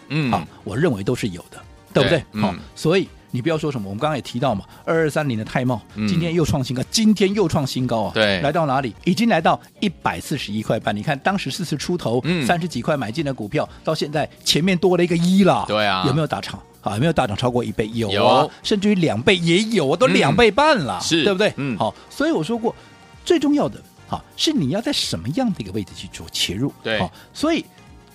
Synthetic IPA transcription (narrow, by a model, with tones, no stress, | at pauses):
xɑ̰˧˩wɔ˨˩ɻə˥˩nwe˧˥ɪt̪o˥ʊʂɻ̩˥˩jo̰˨˩ʊd̪̥ə˦ | t̪we˥˧˩bu˦we˥˩xɑ˥˩swɔ˧˥i˨˩˦ | ni˨˩p̬jɑ˥˩ʊʂwɔ˥ʂə˧˥nmə˧wə˦˥ŋ˥˩jɛ˨˩t̪ʰi˧˥t̪ɑ˥˩ʊmɐ˩ə˞˥˧ə˞˥˩sa˥nli˧˥nd̪ə˧t̪ʰa˥˧ɪmɑ˥˩ʊt͡ɕi˥nt̪ʰjɛ˥njo˥˧ʊʈ͡ʂʰwɑ˥˩ŋɕi˥ŋkɑ˥ʊt͡ɕi˥nt̪ʰjɛ˥njo˥˧ʊʈ͡ʂʰwɑ˥˩ŋɕi˥nkɑ˥ʊɐ̰˩t̪we˥˩la˧˥ɪt̪ɑ˥˩ʊna˧˥li˨˩˦i˨˩t͡ɕi˥ŋla˧˥ɪt̪ɑ˥˩ʊ | i˥˩pa˨˩ɪsɹ̩˥˩ʂɻ̩˧˥i˥kʰwa˥˧ɪpa˥˩ni˨˩kʰa˥˩nt̪ɑ˥ŋʂɻ̩˧˥sɹ̩˥˧t͡sʰɹ̩˥˩ʈ͡ʂʰu˥t̪ʰo˧˥ʊsa˥nʂɻ̩˧˥t͡ɕi˨˩kʰwa˥˩ɪma˨˩ɪt͡ɕi˥˩nd̪ə˩ku˨˩pʰjɑ˥˧ʊt̪ɑ˥˧ʊɕjɛ˥˧nt͡sa˥˩ɪt͡ɕʰjɛ˧˥nmjɛ˥˩nt̪wɔ˥lə˨i˧˥ɡə˧i˥lə˨e˥˩˨ʊme˧˥jo˨˩˧t̪a˥˩ʈ͡ʂʰɑ̰˨˩˦ŋ̰˧˨˩me˧˥jo˧˩t̪a˥˩ʈ͡ʂɑ˨˩ŋʈ͡ʂʰɑ˥ʊkwɔ˥˧ʔi˨˩pe˥˩ɪjo˨˩ʊ˨˦ʂə˥˧nʈ͡ʂɻ̩˥˩i˧˥ljɑ˨˩ŋpe˥˩ɪjɛ˧˥jo˨˩ʊwt̪o˥ljɑ˨˩ŋpe˥˧ɪpa˥˩nlə̰˩ʂ̩˧˥˩bt̪we˥˩ɪ˩xɑ˥˩ | swɔ˧˥i˧˥wɔ˨˩ʂ̬wɔ˥kwɔ˥˩ | t͡swe˥ɪʈ͡ʂʊ˥˧ŋjɑ˥˩ʊd̪ə˩ | xa̰˥˩ʂɻ̩˥˩ni˨˩jɑ˥˧ʊt͡sa˥˩ɪʂə˧˥nmə˧jɑ˥˩ŋd̪ə˩i˧˥ɡə˧we˥˩ɪɹ̩˨˩t͡ɕʰy˥˩t͡swɔ̰˥˩t͡ɕʰjɛ̰˧˥ɻu˥˩˥a̰˥˩ | swɔ˧˥i˨˩˦